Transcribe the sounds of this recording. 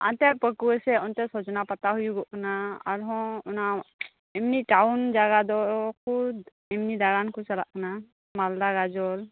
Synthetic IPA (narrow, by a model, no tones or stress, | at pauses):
a̰nt̪ɛpəkuɛsɛɔnt̪ɛsɔd͡ʒɔnapat̪aɦujuɡɔʔkɔnaa̰ɾɦɔ̃ɔna | ɛmniʈawnd͡ʒaɡad̪ɔkʰud̪ | ɛmnid̪aɡankʰut͡ʃala̰ʔkana | mald̪aɡad͡ʒɔl